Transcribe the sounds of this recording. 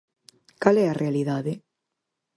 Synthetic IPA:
kalɛarʔealiðaðe

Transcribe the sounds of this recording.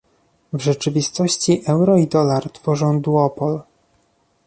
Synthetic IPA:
vʐɛt͡ʂɘvʲist̪ɔɕt͡ɕiʔɛwɾɔid̪ɔlaɾt̪fɔʐɔ̃w̃d̪uɔpɔl

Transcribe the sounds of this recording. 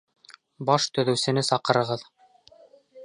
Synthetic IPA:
bɑʃt̪ɵ̆ðɵ̆wsɘ̆nɘsɑqɤ̆ɾɤ̆ʁɤð

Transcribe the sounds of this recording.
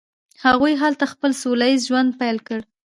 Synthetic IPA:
haɣujɦalt̪axpəlsolaizʒwand̪̚pajlkəɽ

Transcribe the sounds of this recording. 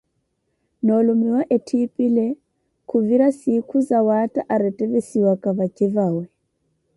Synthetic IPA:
nɔlomiwaʔetʰipʼilɛ | kʰuviɾasikʰuzawatʼaʔaɾɛtʼɛβesiwakʼaβakʼɪvaːwɛ

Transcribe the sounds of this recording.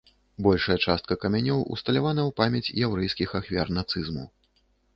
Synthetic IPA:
bɔlʲʂɐjɐt͡ʂast̪̚kɐkɐmʲanʲɔwṵst̪ɐlʲavanɐwpamʲɛt͡sʲjawɾɛjskʲixaxvʲa̰rnat̪sɨzmu

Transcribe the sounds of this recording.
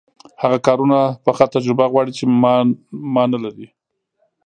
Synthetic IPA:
haɣakɑɾunapəxat̪ad͡ʒɾɪbaɣwɑɽit͡ʃemmɑnalaɾi

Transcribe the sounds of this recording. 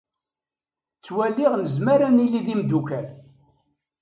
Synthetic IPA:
t͡sːwælːiʁnəzmaɾanilːiðimd̪ukæl

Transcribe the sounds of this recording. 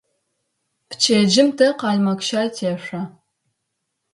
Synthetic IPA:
pt͡ʃʰeːd͡ʒɪmtʰɐqɑːɮmɐkʃaːjtʰeːɕʷɐ

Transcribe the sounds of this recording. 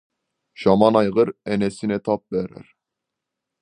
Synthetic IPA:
ʃɑmɑnɑjʁɯɾɛnɛsinɛt̪ʰɑp̚bɛɾæ̰ɾ

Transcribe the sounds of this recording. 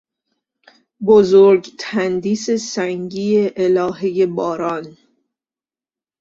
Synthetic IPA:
bozoɾɟt̪ʰænd̪iːse̞sæŋɟiːeʔelɒːɦeje̞bɒːɾɒːn

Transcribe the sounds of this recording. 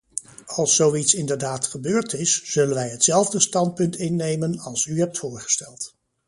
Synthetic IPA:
ɑlˠsːowitsɪndəɹdaːtχəbøːɹtɪsz̥ɵlənʋɛjɦətsɛlˠvdəstɑnt̚pɵntɪnːejmənɑlˠsyɦɛp̚tfʊːɹχə̥stɛlˠt

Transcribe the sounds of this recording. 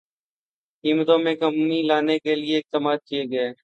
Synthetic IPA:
kiːmt̪õːmẽːkəmːiːlaːneːkelɪeːɪk̚t̪əmaːd̪̚kijeːɡəeː

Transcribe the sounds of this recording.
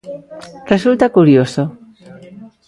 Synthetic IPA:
result̪akuɾjoso

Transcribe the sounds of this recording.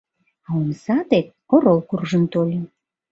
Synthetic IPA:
ɑumsɑt̪et̪̚oɾolˠkurʒənt̪olʲə

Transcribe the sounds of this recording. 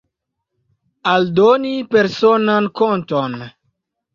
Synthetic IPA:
aldonipeɾsonankonton

